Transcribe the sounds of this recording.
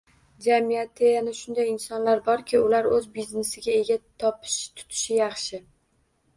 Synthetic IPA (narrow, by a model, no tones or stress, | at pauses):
d͡ʒamijat̪ʰejanɪʃʊnd̪ajɪnsɒnlaɾbɒɾkʲʰɪʊlaɾɵzbizne̞sɪɡʲae̞ɡʲat̪ʰɒpʰɪ̥ʃt̪ʰʊ̥t̪ʰɪ̥ʃɪjɑχʃɪ